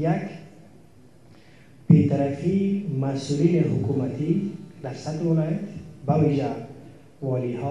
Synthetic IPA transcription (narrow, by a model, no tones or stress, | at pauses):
jak | b̥et̪aɾafimasuliɾehʊkumat̪ʰid̪asat̪wɪlɔjat̪baviʒa | vɔlihɔ